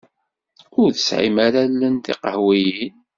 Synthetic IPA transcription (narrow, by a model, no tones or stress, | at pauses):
ʊɾðəsʕḭmaɾalːənθḭqəhwijin